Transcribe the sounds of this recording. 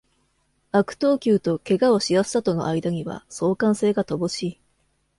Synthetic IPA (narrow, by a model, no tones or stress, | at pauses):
akɯ̟̥t̪o̞ːkʲɨːt̪o̞ke̞ɡao̞ɕijasɨ̥sat̪o̞no̞ʔaid̪aɲ̟iβa̰so̞ːkãɰ̃se̞ːɡat̪o̞bo̞ɕiː